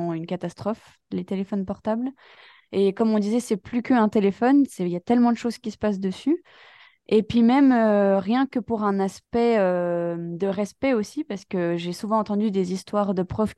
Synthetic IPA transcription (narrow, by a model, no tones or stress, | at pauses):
ynkat̪ast̪χɔf | let̪elefɔnpɔʁt̪abl | ekɔmɔ̃d̪izɛsɛplykəɛ̃t̪elefɔnsɛjat̪ɛlmɑ̃d̪əʃoz̥kʲisə̥pas̬d̪əsy | epɥimɛmøʁjɛ̃kəpuʁɛ̃naspɛømd̪əʁɛspɛosipaʁsə̥kəʒesuvɑ̃ɑ̃t̪ɑ̃d̪yd̪ezist̪waʁd̪əpχœv